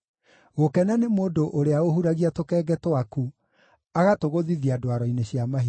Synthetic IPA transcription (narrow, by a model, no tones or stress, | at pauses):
ɣokɛnanemoːdoʔoɾeaoɦuɾaɣiatokɛːɡɛtwaku | aɣatoɣoðiðiadwaɾɔineɕjamaɦi